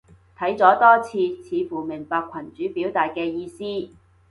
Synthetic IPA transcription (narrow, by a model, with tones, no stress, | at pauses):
t̪ʰɐ˨˥jt͡sɔː˨˥t̪ɔː˥t͡sʰiː˧t͡sʰiː˨˧fuː˨˩mɪ˨˩ŋpaː˧kʷʰɐ˨˩nt͡ʃyː˨˥piː˨˥wt̪aː˨jkɛː˧jiː˧siː˥